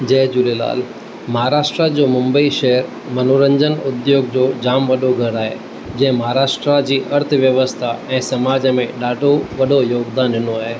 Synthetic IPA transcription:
d͡ʑɐːd͡ʑʊlela̰ːl | məɦaɾaːʃʈɾad͡ʑomʊ̃mbəiʃɛɦəɾ | mənoɾə̃ɲd͡ʑənʊd̪joːɡd͡ʑod͡ʑaːmʋəɗoɡʱəɾaːɦḛ | d͡ʑɛ̃ːmɐɦaɾaːʃʈɾad͡ʑiːʔɐɾt̪ʰəʋjəʋəst̪ʰaɛ̃ːsɐmaːd͡ʑmẽɗaːɖʱoʋɐɗojoːɡd̪aːnɪnoaːɦeː

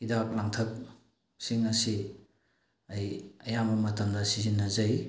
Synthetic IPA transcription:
idak̚laŋtʰɐk̚ | siŋɐsi | ɐjɐjambɐmɐtɐmdɐsizinːɐzɐj

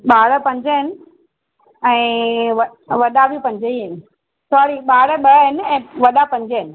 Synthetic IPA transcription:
ɓaːɽə̆pɐ̃ɲd͡ʑəɦɪnɪ̆ | ɛ̃ːʋɐ | ʋɐɗabipɐ̃ɲd͡ʑəiɦɪnɪ̆ | sɔːɾiɓaːɽə̆ɓɐɦɪnɛ̃ːʋɐɗapɐ̃ɲd͡ʑəɦɪnɪ̆

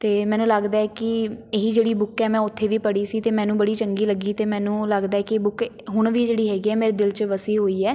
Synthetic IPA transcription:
t̪eːmɛ̃ːnũːləɡd̪aːɛːkɪeːɦiːd͡ʒeːɽiːbʊkːɛːmɛ̃ːʊt̪ʰːeːʋiːpəɽiːsiːt̪eːmɛ̃ːnũːbəɽiːt͡ʃəŋɡiːləɡiːt̪eːmɛ̃ːnũːləɡd̪aːɛːkɪbʊk | ɦʊɳ̃ʋiːd͡ʒeːɽiːɦɛːɡiːɛːmeːɾeːd̪ɪlt͡ʃʋəsiːɦoːiːɛː

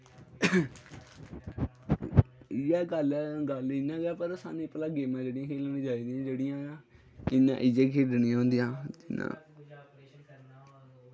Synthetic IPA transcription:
jɛːɡəlɡəlɪnãːɡaːpəɾsa̰ːnĩːpəlaːɡeːmãːd͡ʒeːɽɪjãːkʰeːlnĩːd͡ʒaːiːd̪ijãːd͡ʒeːɽɪjãːa | ɪnã̰ːʔɪd͡ʒeːkʰeːɖnĩaɦõːnd̪ijãːd͡ʒɪnã̰ː

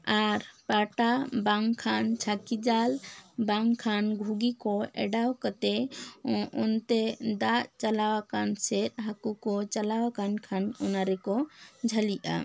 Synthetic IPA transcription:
aɾpaʈabaŋkʰant͡ʃʰakid͡ʒalbaŋkʰanɡʱuɡikɔɛ̰ɖawkat̪ɛ | ɔnt̪ɛd̪aʔt͡ʃalawakansɛɾɦakukɔt͡ʃalawakankʰanɔnaɾɛkɔd͡ʒʱəliʔa̰

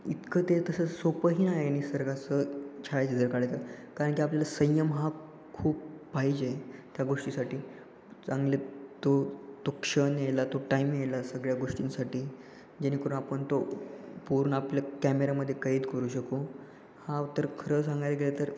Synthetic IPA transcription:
it̪kət̪et̪əsəsopəɦiːnaɦeaɽ̃isəɾɡasət͡ɕʰaɭajt͡ɕed͡zəɾkaɭat͡səkaɾəɳkiapljalasə̃jəmɦa | kʰuːp̚ːpaɦid͡ʑet̪jaɡoʂʈisaʈiː | t͡sãŋɡlet̪ot̪okʂənjelat̪oʈaimjelasəɡɭjaɡoʂʈinsaʈiː | d͡ʑañikəɾũnapəɳt̪opuɾɳəapljakæmeɾaməd̪ʱːjekaiːt̪kəɾuːɕəko | haut̪ːəɾkʰəɾəsãŋɡajləɡelet̪əɾ

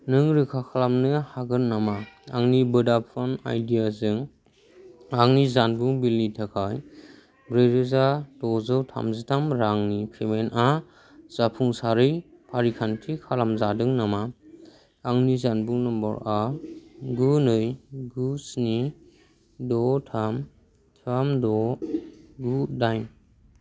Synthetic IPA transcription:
nɯŋɾɯkʰakʰalamnɯhaɡɯnnːamaa̰ŋnibɯdapʰana̰jdijazɯŋ | aŋnizanbuŋbilːitʰakʰaj | bɾɯjɾɯzadɔzɯwtʰa̰mzɯtʰamɾaŋnipʰemena | z̥apʰuŋsaɾɯj | pʰaɾikʰantʰikʰalamzadɯŋnama | aŋnizanbuŋnɔmbɔ̰ɾa | ɡɯnɯjɡusni | dɔtʰam | tʰamdɔ | ɡudajn

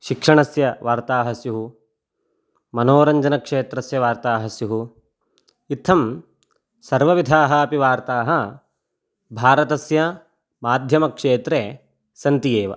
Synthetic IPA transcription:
ʃikʂɐɳɐsjɐʋaːɾt̪aːɦɐsjuɦu | mɐnoːɾɐɲd͡ʒɐnɐkʂeːt̪ɾɐsjɐʋaːɾt̪aːɦɐsjuɦu | it̪ʰːɐm | sɐɾʋɐʋid̪ʱaːɦɐːpiʋaːɾt̪aːɦɐ | bʱaːɾɐt̪ɐsjɐ | maːd̪ʱjɐmɐkʂeːt̪ɾe | sɐnt̪ijeːʋɐ̰

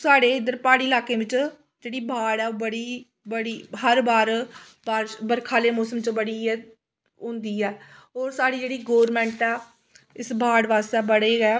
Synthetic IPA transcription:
saːɽeːɪd̪əɾpaːɽiːlaːkeːʋɪt͡ʃ | d͡ʒeːɽiːbʱaːɽɛːoːbəɽiː | bəɽiːɦəɾbaːɾ | baːɾbəɾkʰaːleːmoːsəmt͡ʃbəɽiː | ʊ̃ːnd̪iːɛːɦoːɾsaːɽiːd͡ʒeːɽiːɡoːɾmɛ̃ːɳʈɛː | ɪsbʱaːɽʋaːst̪ɛːbəɽeːɡɛː

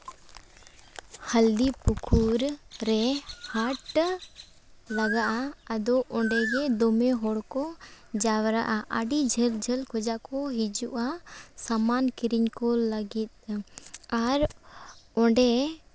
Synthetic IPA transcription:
həld̪ipukʰuɾːɛhaʈ | laɡaʔaəd̪ɔʔɔɳɖɛɡɛd̪ɔmɛɦɔɽkɔd͡ʒawɾa̰ʔaʔaɖid͡ʒʱəld͡ʒʱəlkʰɔd͡ʒakɔɦid͡ʒuʔasamankiɾiɲkɔləɡit̪̚ | aɾ | ɔɳɖɛ

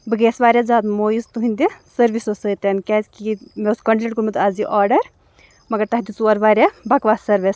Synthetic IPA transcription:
bɨɡeːsʋaːɾʲjad͡zaːd̪moːjizt̪uɦinʲd̪isɐɾʋisosəːt̪enkʲɛːzʲkimeuskɐɳʈeʈkuɾmɨt̪aːziʔaːɾɖɐɾ | mɐɡɐɾt̪ɐɦd̪ʲit͡suɐɾʋaːɾʲjabɐkʋasɐɾʋes

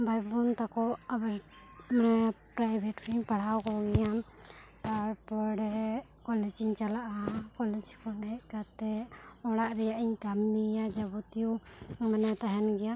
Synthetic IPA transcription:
bʱajbɔnt̪akɔʔabɛɾ | manɛpɾajbʱɛʈkiɲpaɽ̤awkɔɡɛjam | t̪aɾpɔɽɛ | kɔlɛd͡ʒiɲt͡ʃalaʔakɔlɛd͡ʒkɔɳɖɛʔkat̪ɛɔɽaʔɾɛjaʔiɲkamnijad͡ʒabut̪ijumanɛt̪aɦɛnɡɛja

